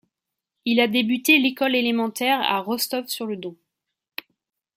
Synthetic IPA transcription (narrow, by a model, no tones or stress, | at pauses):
ilad̪ebyt̪elekɔlelemɑ̃t̪ɛʁa̰ʁɔst̪ɔfsyʁləd̪ɔ̃